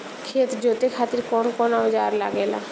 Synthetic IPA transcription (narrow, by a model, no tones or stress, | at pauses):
kʰet̪d͡ʒot̪ekʰat̪iɾkɔnkɔnad͡ʒaɾla̰ɡela̰